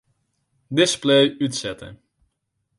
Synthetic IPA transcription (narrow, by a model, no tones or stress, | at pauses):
dɪsplejytsɛtə̰n